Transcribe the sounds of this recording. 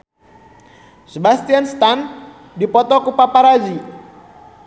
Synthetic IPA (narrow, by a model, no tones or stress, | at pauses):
səbast̪ianst̪an | dipɔt̪ɔkupapaɾad͡ʒi